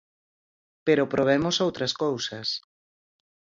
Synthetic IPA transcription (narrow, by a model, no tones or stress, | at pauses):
peɾopɾoβɛmosowt̪ɾɐskowsɐs